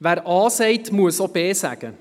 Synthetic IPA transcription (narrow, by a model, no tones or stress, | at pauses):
ʋæːɾɑːseɪt̪muːəsɔpeːsæ̰ːkə